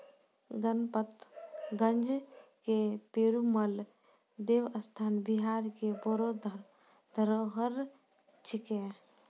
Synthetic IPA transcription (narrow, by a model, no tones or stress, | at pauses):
ɡənpət̪ɡənd͡ʒkepeːɾuməl | d̪ewəst̪ʰaːnbiɦaɾkebɔɾo | d̪ʱəɾoɦəɾ | t͡ʃʰike